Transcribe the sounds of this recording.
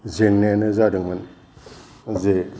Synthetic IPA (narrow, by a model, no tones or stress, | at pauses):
zeŋnenəzaɾəŋmən | ze